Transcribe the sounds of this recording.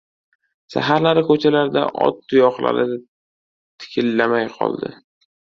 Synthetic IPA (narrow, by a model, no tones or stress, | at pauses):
sa̰ɦaɾlaɾɪkʰɵt͡ʃʰalaɾɪd̪a̰ʔɒ̰t̪̚ːʊjɒχla̰ɾɪd̪ɪ | t̪ʰɪ̥kʲʰɪlːamajqʰɒ̰lˠd̪ɪ̰